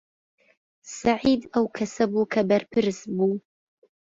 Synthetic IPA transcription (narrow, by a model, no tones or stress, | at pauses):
saʕiːd̪ɐwkʰɐsɐbukʰɐbɐrpʰɨɾsbu